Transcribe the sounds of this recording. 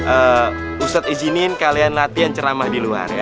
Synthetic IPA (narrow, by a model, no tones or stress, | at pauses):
ʔəː | usat̪id͡ʒinɪnkalianlat̪ijant͡ʃəɾamahdilua̰rja